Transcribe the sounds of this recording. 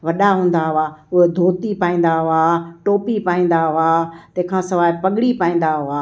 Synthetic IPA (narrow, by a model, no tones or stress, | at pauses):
ʋɐɗaɦũːn̆d̪aɦʊaːʊɦed̪ʱoːt̪ipaːĩːn̆d̪aɦʊaʈoːpipaːĩːn̆d̪aɦʊaːt̪ɐ̃ɦkʰãːsɐʋaːɪpɐɠɽipaːĩːn̆d̪aɦʊaː